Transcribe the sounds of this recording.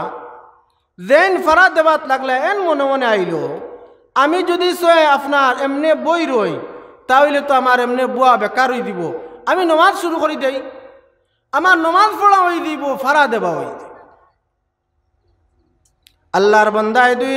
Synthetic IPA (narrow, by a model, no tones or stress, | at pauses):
zenpʰaɾad̪ebat̪laɡlaenmɔnemɔneajlo | amid͡ʒɔd̪isɔeapʰnaɾemnebojɾojt̪aɦoilet̪ɔamaɾemnebuabɛkaɾojd̪iboaminɔmazʃuɾukɔɾid̪ej | amaɾnɔmazpʰɔɽaɦojd̪ibɔpʰaɾad̪ɛbaɦo̰j | əlːaɾbɔnd̪ajd̪u